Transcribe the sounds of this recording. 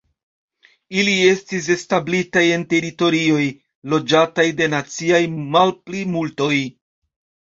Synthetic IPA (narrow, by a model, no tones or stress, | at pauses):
ilie̞stis̬e̞stablitaje̞nte̞ɾito̞ɾio̞j | lo̞d͡ʒatajde̞nat͡siajmalplimulto̞j